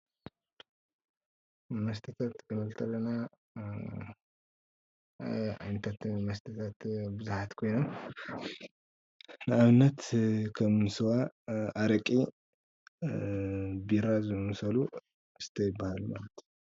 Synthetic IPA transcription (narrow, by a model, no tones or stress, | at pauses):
mɐs̬t̪ʰɐt̪ʰat̪kɨmɐlt̪ʰɐlːɐna | a̰jnɐt̪ʰat̪mɐst̪ʰɐt̪ʰat̪bɨzuħat̪kʰo̞jnom | nɨaβɨnːɐt̪kʰɐmnsɨwaʔaɾɐkʼi | biɾazɨmmsɐlu | ɨst̪ʰɐjɪbːahalumalɐt̪ʰ